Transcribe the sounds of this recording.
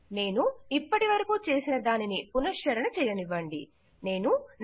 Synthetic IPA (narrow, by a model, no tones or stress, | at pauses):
ne̞ːnuipːɐʈiʋɐɾɐkut͡ʃe̞ːsinɐd̪aːninipunɐʃt͡ʃɐɾɐnɐt͡ʃɛːjɐniʋːɐɳɖḭ | ne̞ːnun